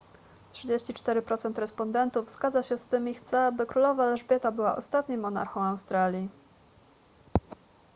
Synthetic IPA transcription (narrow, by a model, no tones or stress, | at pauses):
tʂɘd͡ʑeɕt͡ɕit͡ʂt̪ɛɾɘpɾɔt̪sɛnt̪ɾɛspɔnd̪ɛnt̪uvz̥ɡad̪zaɕɛst̪ɘmixt̪sɛabɘkɾulɔvalɛʐbʲjɛt̪abɘwa̰ʔɔst̪at̪ɲimːɔna̰ɾxɔ̃w̃awst̪ɾalʲji